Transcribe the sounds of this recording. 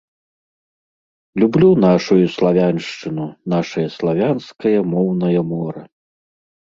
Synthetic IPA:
lʲublʲunaʂujuslˠavʲanʂt͡ʂɨnunaʂɐjɐslˠavʲanskɐjɐmɔwnɐjɐmɔɾɐ

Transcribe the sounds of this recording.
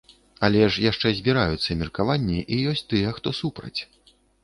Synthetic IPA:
ɐlʲɛʂjaʂt͡ʂɛzʲbʲiɾajut̪sːɐmʲirkavanʲːiʔijɔsʲt͡sʲt̪ɨjɐxt̪ɔsupɾɐ̰t͡sʲ

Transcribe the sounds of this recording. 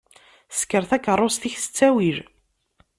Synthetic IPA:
skəɾθækːərˤːost̪içsə̥t͡sːæwiʒ

